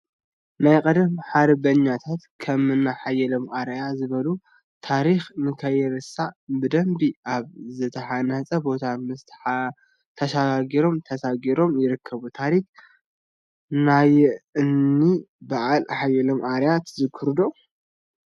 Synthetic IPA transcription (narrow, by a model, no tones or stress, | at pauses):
najkʼɐd̪ɐmħaɾbɐɲːat̪ʰat̪kʰɐmɨnːaħajːɛlomʔaɾjazɨβɐlu | t̪ʰaɾixnɨkʰɐjɛɾɨsabɨd̪ɐmbiʔaβzɨt̪ʰɐħanɐt͡sʼɐbo̞t̪ʰamɨst̪ʰħa | t̪ʰɐʃaɡaɡiɾo̞mt̪ʰɐsaɡiɾo̞mjɪɾɨkʰːɐβut̪ʰaɾik | najɪɨnːi | baʕalʔaħajːɛlomʔaɾjat̪zɨkʰɨɾd̪o